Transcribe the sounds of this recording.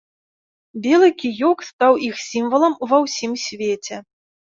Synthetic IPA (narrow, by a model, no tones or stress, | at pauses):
bʲɛlˠɨkʲijɔkst̪awixsʲimvɐlˠɐmvɐwsʲimsʲvʲet͡sʲɛ